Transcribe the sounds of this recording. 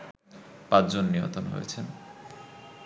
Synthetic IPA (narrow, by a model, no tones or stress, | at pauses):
pãd͡ʑd͡ʑonːijo̰nt̪onɦo̰jḛt͡ɕʰen